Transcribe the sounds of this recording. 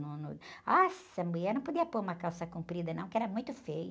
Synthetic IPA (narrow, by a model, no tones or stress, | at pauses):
nunuasɐ̃mbujɐnɐ̃w̃pod̪iɐpoɾũmɐkawsɐkũmpɾid̪ɐnɐ̃w̃kɪɛɾɐmũj̃t̪ʊfejʊ